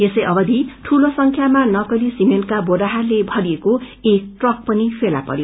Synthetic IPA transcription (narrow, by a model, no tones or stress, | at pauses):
esʌjʔʌbʌd̪ʱiʈʰulosʌŋkʰjamanʌkʌlisimenʈkaboɽaɦarlebʱʌɽijeko | ek̚ʈrʌk̚pʌnipʰela̰pʌ̰ɾjo